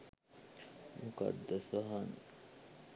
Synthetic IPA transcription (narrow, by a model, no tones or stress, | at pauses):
mukɐ̰d̪ːɐsɐɦɐn